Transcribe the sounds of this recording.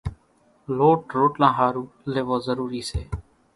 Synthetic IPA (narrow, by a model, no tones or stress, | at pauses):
loːʈɾoːʈlãːɦaːɾũː | leːʋoːzəɾuːɾiːsḛː